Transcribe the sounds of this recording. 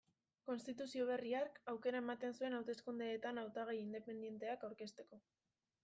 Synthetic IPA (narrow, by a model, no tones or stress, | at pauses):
ko̞nst̪it̪usio̞β̞e̞riakawke̞ɾae̞mat̪e̞nsue̞nawt̪e̞skund̪eːt̪anawt̪aɣajind̪e̞pe̞nd̪je̞nt̪e̞akawɾke̞st̪e̞ko̞